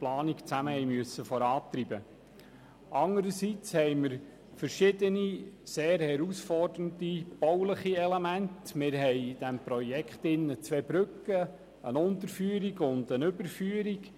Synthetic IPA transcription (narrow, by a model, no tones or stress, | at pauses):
plɑːnikt͡sæməhɛjmyəsːəfɔɾɑːt̪ɾibə | ʔɑŋəɾəsit͡shɛjməɾ | fəɾʃɪdəniseːɾhɛɾusfɔrdəntib̥ɔwləχiɛlemæntmɪɾɦɛɪd̥ɛmpɾɔjɛkχtɪnːət͡sʋeːbɾʏkːə | ənʊnt̪əɾfyːəɾiɡʊnd̪ənʏbəɾfyːəɾik